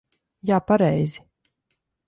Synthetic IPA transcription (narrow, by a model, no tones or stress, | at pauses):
jaːpaɾɛjzʲi